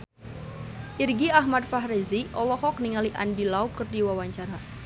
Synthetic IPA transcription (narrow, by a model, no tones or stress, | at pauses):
ʔirɡiaɦmat̪̚faɦɾiziʔɔlɔhɔk̚niŋaliʔa̰ndilaukɨrdiwawaɲt͡ʃaɾa